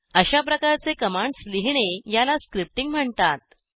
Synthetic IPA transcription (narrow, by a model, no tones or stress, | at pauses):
əɕapɾəkaɾt͡sekəmaɳɖsliɦɳ̃ejalaskɾip̚ʈiŋɡm̤əɳt̪at̪̚